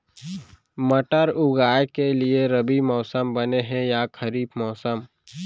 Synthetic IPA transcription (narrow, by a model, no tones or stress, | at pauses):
məʈəɾʊɡaːjekelieɾəbimɔːsəmbɐneɦɛ̃jakʰəɾiːbmɔːsəm